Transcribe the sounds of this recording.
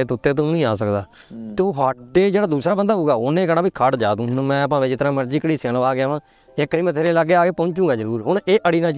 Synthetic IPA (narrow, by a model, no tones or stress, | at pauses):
et̪ʊt̪ːeːt̪̬õnĩːaːsəkd̪aː | t̪oːɦaːʈːeːd͡ʒeːɽaːd̪uːsɾaːbənd̪aːɦuːɡaːoːnẽːkəɽaːbiːkʰaʈd͡ʒaːd̪ũːmɛ̃ːəp̬ãːʋed͡ʒɪt̪əɾãːməɾd͡ʒiːkəɽiːselʋaːɡɪjaːʋãː | ekːəiːmət̪ʰeːɾeːləɡːeːaːkeːpə̃ːɲt͡ʃũːɡaːd͡ʒəɾuːɾɦʊɳeːʔəɽiːnãː